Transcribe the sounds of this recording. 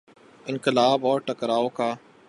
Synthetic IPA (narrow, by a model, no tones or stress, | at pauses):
ɪ̃nkɪlaːbɔːɾʈəkɾaːokaː